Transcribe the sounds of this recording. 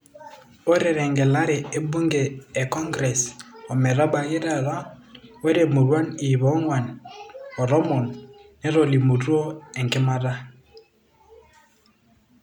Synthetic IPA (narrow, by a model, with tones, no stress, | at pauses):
o˦ɾɛ˨ɾɛ˨ŋɡɛ˨la˦ɾɛ˨e˦bu˦ŋɡeː˨kɔ˦ŋɡɾɛ˨sɔ˨mɛ˨ɾa˦ɓa˨je˦ɾa˨ɾa˦wɛ˦ɾe˨mu˨ɾwa˦ni˨βɔ˨˦ŋwa˨n | ɔ˨ɾɔ˦mɔ˨nnɛ˦ɾɔ˨li˨mu˨to˦ɛ˨ŋkɪ˦ma˦ɾa˦